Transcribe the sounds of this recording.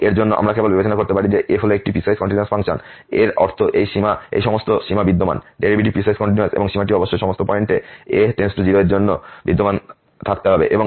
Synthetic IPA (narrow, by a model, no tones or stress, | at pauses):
eɾd͡ʑonːoʔa̰mɾakebolbɛbet͡ɕonakoɾt̪epaɾid͡ʑeʔefɔloekʈipɾisajskɔɳʈiniaɾsfaŋʃon | eɾɔ̰ɾt̪ʰoʔejʃimaḛjʃɔmost̪oʃimabid̪ːoma̰nɖeɾibiʈipɾisajskɔɳʈiniaɾsḛboŋʃimaʈiɔboʃːojʃɔmost̪opɔeɳʈeet̪ensʈod͡ʑiɾoeɾd͡ʑonːobid̪ːoman | t̪ʰak̚t̪eɦɔbḛʔeboŋ